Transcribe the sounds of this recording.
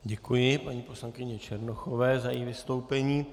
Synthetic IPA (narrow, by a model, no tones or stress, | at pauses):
ɟɛkujɪpaɲiːpo̞slankɪɲɛt͡ʃɛɾnoxo̞vɛːzajɛ̰jivɪst̪o̞wpɛɲiː